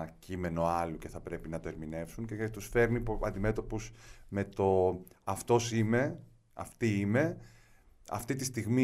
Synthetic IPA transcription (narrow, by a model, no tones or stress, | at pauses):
cime̞no̞ɐluce̞θɐpɾe̞pinɐt̪o̞eɾmine̞fsuɲcet̪usfe̞ɾnipɐnd̪ime̞t̪o̞pusme̞t̪o̞ɐft̪o̞sime̞ | ɐ̰ft̪iime̞ | ɐ̰ft̪it̪ist̪iɣmi